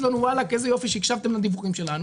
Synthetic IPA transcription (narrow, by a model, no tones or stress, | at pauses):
d̪onuwalakezɐjofiʃikʃavt̪emnɐd̪ivuɣimʃelanu